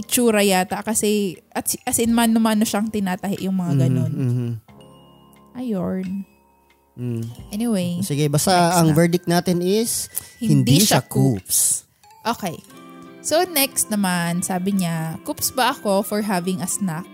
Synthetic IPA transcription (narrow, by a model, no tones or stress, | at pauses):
ʔɪt͡ʃuːɾɐjaːt̪ɐʔkɐsɛʔɐt̪sʔɐsɪnɐmanːɐmanːoʃaŋt̪ɪnaːt̪ɐhɪʔjʊŋmɐŋaɡɐno̞n̩ː | ʔɐjoɹn | ʔɛnɪwejsɪɡɛbast̪aɐŋvɛɹd̪ɪk̚t̪̚naːt̪ɪnɪshɪhɪnd̪iʃakups | ʔo̞ːkɛjsownɛkst̪̚nɐmansaːbɪɲakupsbɐʔɐko̞fɔɹɦavɪŋʔɐsnak̚